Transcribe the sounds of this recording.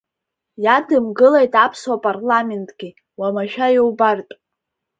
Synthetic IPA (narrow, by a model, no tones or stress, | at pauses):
jadɨmɡɨlejtʼapʰswapʼarlame̞ntʼɡ̥ʲi | wamaʃᶣajowbartʼ